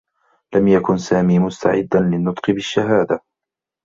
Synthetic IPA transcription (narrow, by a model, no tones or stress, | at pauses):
lamjakʊnsaːmiːmʊst̪a̰ʕɪ̰d̪ːanlɪnːʊt̪ˤqɨbɪʃːaɦaːd̪a